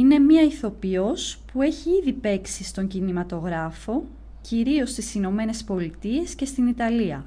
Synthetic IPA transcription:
ine̞mɲɐiθo̞pio̞spue̞çiiðipe̞ksist̪o̞ɲɟinimɐt̪o̞ɣɾɐfo̞ | ciɾio̞st̪isino̞me̞ne̞spo̞lit̪ie̞sce̞st̪init̪ɐliɐ

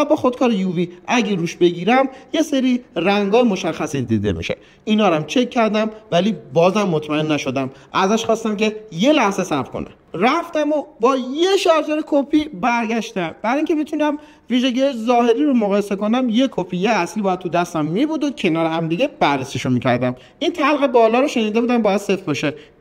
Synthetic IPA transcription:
ɒbɒːxod̪kʰɒːɾejuviːʔæɟeɾuːʃbe̞ɡiːɾæmje̞seɾiːræŋɡɒːjmoʃæxːæsid̪ḭːd̪e̞̰mḭʃḛ | inɒːɾæmt͡ʃʰe̞kʰːæɾd̪æmvæliːbɒːzæmːot̪ʰmæe̞nːæʃo̞d̪æmʔæzæʃxɒːst̪æmce̞je̞læhze̞sæbɾkʰo̰næ̰mræft̪æmobɒːjeʃɒɾd͡ʒeɾekʰopʰibæɾɟæʃt̪æmb̥æɾiːŋcʰe̞mit̪ʰunæm | viːʒeɟiːjezɒːhe̞ɾiːɾomoɣɒːjese̞konæmje̞kʰopʰijeæslibɒjæd̪̚t̪ʰud̪æst̪æmːiːbud̪ocʰe̞nɒːɾehæmd̪iɟe̞b̥ærːesiʃomiːcʰæɾd̪æm | ʔint̪ʰælɣe̞bɒːlɒːɾoʃe̞niːd̪e̞buːd̪æmbɒːjæd̪̥sefbɒʃe

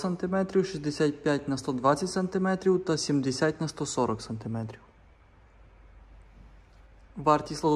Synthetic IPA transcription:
sɐnt̪ɪmɛt̪ɾʲiwʃizd̪ɛsʲat̚ʲpʲjatʲnɐst̪ɔd̪ʋatʲt͡sʲɐtʲsɐnt̪ɪmɛt̪ɾʲiwt̪ɐsʲimd̪ɛsʲatʲnɐst̪ɔsɔɾɔksɐnt̪ɪmɛt̪ɾʲiw | ʋɑɾt̪ʲislˠɐd̪

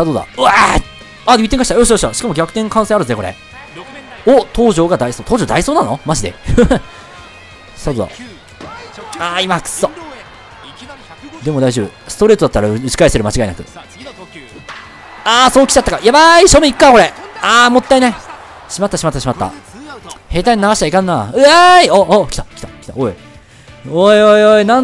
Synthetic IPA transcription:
ad̪od̪a̰a | ait̪ːeŋkaɕi̥t̪ajoɕ̬t̪ajoɕt̪aɕi̥kamo̞ɡʲakɯ̟̥ẽ̞ŋkãsẽaɾɯ̟̃sɨneko̞ɾḛ | ot̪ʰo̞ːʑo̞ːɡad̪aisoːt̪oːʑo̞ːd̪aiso̞ːnanomaʑid̪e̞̰ | st̪ad̪od̪a̰ | aimakɯ̥so | d̪e̞mo̞d̪aiʑoːbɯ̟sɨ̥t̪o̞ɾe̞t̪od̪at̪ːaɾaɯ̟t͡ɕi̥kaeseɾɯ̟mat͡ɕiɡaenakɯ̟̰ | aːsoːkʲi̥t͡ɕat̪ːakajabaiɕoːmʲeikɯ̟̥kako̞ɾe̞aːmo̞t̪ːaine | ɕimat̪ːaɕimat̪ːaɕimat̪ːa̰ | he̞ːt̪aĩɲʲinaɡaɕi̥t̪aikãnːaɯaiookʲt̪ḁkʲi̥t̪ḁkʲi̥t̪ao | oojoinã

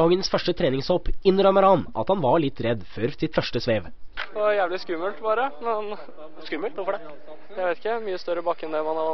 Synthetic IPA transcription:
ɑːɡənsfœʂʈət̪ʰɾeːnɪŋshɔpɪnːəɾœməɾhɑnʔɑ̰t̪hɑnʋɑɭɪt̪ːɾɛd̪ːføːɾsɪt̪fœʂʈəsʋeːʋ | jæːʋlɪskʉməlt̪bɑːɾəmɛn | skʉmːəlt̪ʋʊɾfɔɖɛ | jæɪʋeɪt̪ɪ̥kːəmyːəst̪œɾəbɑkːɛnd̪ɛmɑnhɑɾɑ

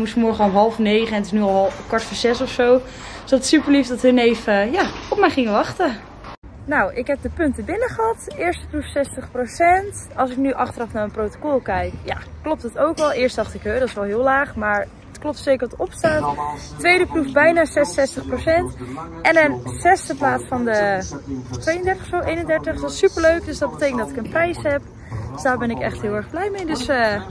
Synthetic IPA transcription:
mutfəmɔɹχəɔlˠɦɑlˠfənejχəɛnətɪsnyɔlˠlˠkɔɹtfɔɹzɛsɔfsow | sɑtətsypəɹlifdɑtənejfəjaːɔpmɛjχɪŋəʋɑχtə | nawʔɪkɦɛp̚dəpɵntəbɪnəχəɦɑtɪːɹstə̥prufsɛstəχprosɛntɑlˠs̬ɪknyʔɑχtərɑfnaːɹənprowtokɔlˠkɛjkja̰klɔp̚tətowkʋɛlˠɪːɹstd̥ɑχtɪkɦødɑtɪsʋɛlˠɦɪːlaːχmaːɹ | ətklɔp̚tsejkəɹʋɑtɔpstaːttʋejdəprufbɛjnaːsɛsɛstəχprowsɛntʔɛnənsɛstəplaːtsfɑndə | tʋejəndɛɹtə̥χfsowʔejnəndɛɹtəχdɑsypəɹløɥkdøsdɑd̚bətejkəndɑtɪkənprɛjsɦɛp | dəsdaːɹbɛnɪkɛ̰χtɦɪːlˠɛɹχblɛjmejdɵsə

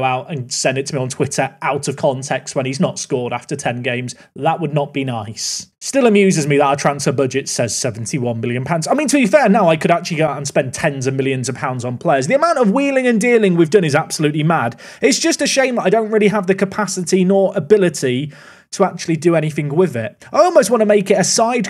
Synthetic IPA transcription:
ʊaʊtə̃nsɛ̃ndɪtʰəmiə̃ntʰw̥ɪtʰə˞ʔaʊtəv̥kʰɒ̃ntʰɛkstwə̃niznətskɔːɾaftətʰɛ̃nɡẽɪ̃mz̥ | ðəʔwədⁿnəʔ̚b̥inaɪsstɪlˠəmjʉːzɪzmiðəətʰɹ̥ãnsfə˞bʊd͡ʒɪtsɛz̥sɛvn̩tʰiwʌ̃nmɪlˠjə̃npʰãʊ̃ndzaɪmĩntʰəbifɛɹnaʊaɪkʰəɾak̚t͡ʃʉl̩ˠiɡoʊaə̃nspɛ̃ntʰɛ̃nzəvmɪlˠjə̃nzʌv̥pʰãʊ̃ndzn̩pʰl̥eɪəzðiəmãʊ̃ntəvwiːlˠɪ̃ŋə̃ndiːlˠɪ̃ŋwivdʌ̃nɪzab̥səlʉˑʔˡlimad | ɪtsd̥ʒ̥ʌstɨʃẽɪ̃maɪɾõʊ̃nʔ̚ɹɪlˠiəvðɨkʰəpʰasɪtinəɹʔəbɪlˠɪtʰi | tʰəak̚t͡ʃʉlˠidəɛñiθɪ̃ŋwɪðɪt | aɪɔlˠmoʊst̚wɑ̃nəmeɪkɪɾɨsaɪd

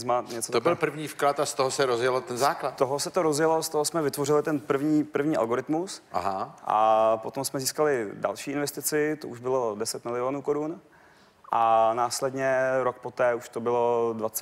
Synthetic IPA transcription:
zmaɲɛt͡sot̪obɪlpr̩vɲiːfklat̪ast̪oɦosɛɾozjɛlot̪ɛnzaːklat̪t̪oɦosɛt̪oɾozjɛlo̞st̪oɦosmɛvɪt̪vo̞rɪlɪt̪ɛnpr̩vɲiːpr̩vɲiːʔa̰lɡo̞ɾɪt̪musa̰ɦaʔa̰po̞t̪o̞msmɛziːskalɪda̰lʃiːɪnvɛst̪ɪt͡sɪt̪oʔuʒbɪlo̞dɛsɛt̪mɪlɪoːnuːkoɾun | ʔanaːslɛdɲɛɾok̚pot̪ɛːuʃt̪o̞bɪlo̞dvat͡s

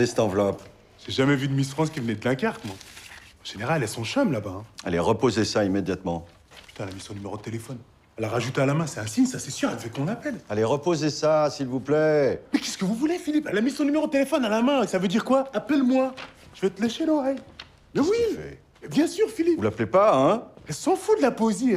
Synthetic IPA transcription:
ɛsɛ̥t̪ɑ̃vlɔp | ʒ̥ɛʒamɛvyd̪əmisfχɑ̃skʲivənɛd̪əlɛ̃kaʁt̪mwa | ɑ̃ʒ̥eneʁalɛlɛsɔ̃ʃamlabaɛ̃aleʁəpozesaimed̪jat̪mɑ̃ | py̥t̪ɛ̃alamisjɔ̃nymeʁod̪ət̪elefɔn | alaʁaʒut̪ealamɛ̃sɛɛ̃siɲsasɛsyʁɛlvɛt̪mɔ̃napɛlaleʁəpozesasilvuplɛmɛkʲɛskəvuvulefilipalamisjɔ̃nymeʁod̪̚t̪elefɔnalamɛ̃savød̪iʁkwaapɛlmwa | ʒ̥əvɛt̪əleʃelɔʁɛj | mɛwiɛ̰ | bjɛ̃syʁfilipvulaplepaɛ̃ɛlsɑ̃fud̪lapoezi

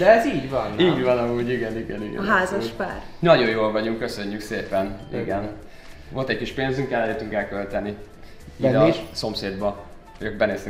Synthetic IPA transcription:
d̪ɛɛziːɟvɒniːɟvɒnɒmuːɟiɡɛniɡɛniɡɛ̰ɦaːzɒʃpaːr | nɒɟo̞joːlvɒɟuŋkːø̞sø̞ɲːykseːpɛnḭɡɛn | vo̞lt̪ɛckiʃpeːnzyŋkɛlːɛløt̪ːyŋkɛlkølt̪ɛni | iːd̪ɒiʃso̞mseːd̪bɒ | øk̚bɛneːst̪y

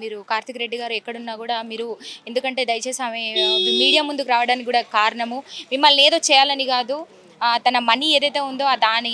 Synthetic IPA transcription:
miːɾukaːɾt̪ʰikɐɾe̞ɖːiɡaːɾuɛkːɐɽunːaːkuːɽaːmiːɾue̞nd̪ukɐɳʈe̞ːd̪ɐjɐt͡ʃeːsaːmemiːɽijaːmund̪ukuɾaːʋɐɽaːnikʲiɡuːɽaːkaːɾɐɳɐmumimːɐlːeːd̪o̞ːt͡ʃɛːjaːlɐniɡaːd̪u | t̪ɐnɐmɐnieːd̪ɐjt̪e̞ːund̪o̞ːɐd̪aːni

